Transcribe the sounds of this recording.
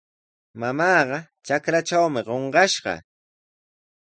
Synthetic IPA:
mamɑːɢɑ | t͡ʃakɾat͡ʃawmɪɢoɴɢɑʃɢɑ̰

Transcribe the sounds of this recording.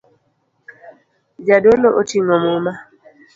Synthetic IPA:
d͡ʒadoloʔotiŋɔmoma

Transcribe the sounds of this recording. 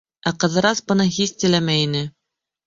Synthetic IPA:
æqɤ̆ðɤ̆ɾɑsbɤ̆nɤɦiθt̪ɘ̆læmæjinɘ

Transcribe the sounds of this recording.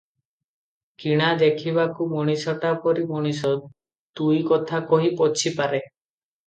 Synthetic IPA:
kiɽ̃ad̪ekʰibakumɔɽ̃isɔʈapɔɾimɔɽ̃is̬ɔ | t̪ujkɔt̪ʰakɔɦipɔt͡ʃʰipaɾe

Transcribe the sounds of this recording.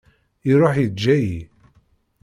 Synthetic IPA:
iɾˤoħjəd͡ʒːæji

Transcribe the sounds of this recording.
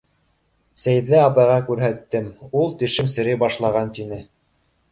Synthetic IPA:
sæjðɘɑpɑjʁɑkʉɾɦæt̪ːɘmulˠt̪ɘ̆ʃɘmsɘ̆ɾɘbɑʃlˠɑʁɑnt̪inɘ

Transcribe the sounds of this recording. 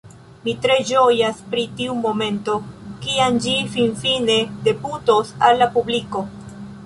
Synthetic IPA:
mitɾe̞d͡ʒojaspɾitiumo̞me̞nto̞kiand͡ʒifinfine̞de̞putosalːapubliko̞

